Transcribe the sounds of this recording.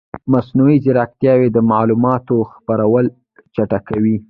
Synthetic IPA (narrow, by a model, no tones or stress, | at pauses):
masnuizɪɾɑk̚t̪jɑwed̪əmalumɑt̪oxpaɾawəl | t͡ʃaʈakawi